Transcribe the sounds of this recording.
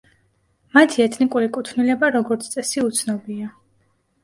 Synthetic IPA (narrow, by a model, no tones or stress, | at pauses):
mat̪ʰiɛt̪ʰnikʼuɾikʼut̪ʰnilɛbaɾɔɡɔɾt̪sʰt̪sʼɛsiut̪sʰnɔbia